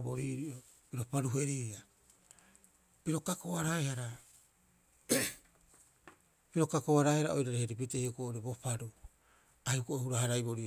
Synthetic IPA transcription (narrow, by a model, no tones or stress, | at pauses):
boɾiɾio | piɾo̞paɾuɦe̞ɾiːɾia | piɾo̞kakoaɾaehaɾa | piɾo̞kakoaɾaehaɾao̞jɾaɾeheɾipitehiokoːʔoɾibo̞paɾu | ajhukoʔhuɾahaɾajbo̞ɾi